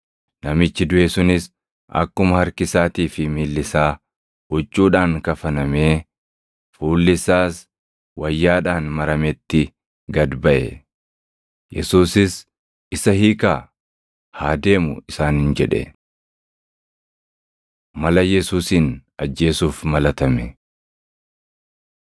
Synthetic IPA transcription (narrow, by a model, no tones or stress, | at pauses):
nɐmɪt͡ʃːɪd̪ʊʔɛsʊnɪs | ɐ̰kːʊmɐhɐɾkɪsaːt̪iːfɪmiːlːɪsaː | ɔt͡ʃʼːuːᶑaːŋkɐfɐnɐme̞ː | fuːlːɪsaːs | wʔɐjːaːᶑaːnmɐɾɐmɛt̪ːɪ | ɡɐd̪bɐʔɛ̰ | jʔɛsuːsɪs | ɪsɐhiːkaː | haːd̪e̞ːmʊɪsaːnhɪnd͡ʒɛᶑɛ̰ | mɐlɐjɛsuːsiːnɐd͡ʒːe̞ːsuːfmɐlɐt̪ɐmɛ